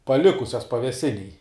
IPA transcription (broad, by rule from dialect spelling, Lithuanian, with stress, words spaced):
pɐˈlʲɪkʊsʲɛs pɐʋʲɛˈsʲɪnʲeːj